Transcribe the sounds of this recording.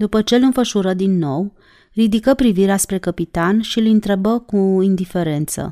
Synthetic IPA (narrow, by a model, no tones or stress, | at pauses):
d̪upət͡ʃe̞lɨnfəʃuɾəd̪inːo̞w | rid̪ikəpɾiviɾeaspɾe̞kəpit̪anʃilɨnt̪ɾe̞bəkuind̪ife̞ɾe̞nt̪sə̰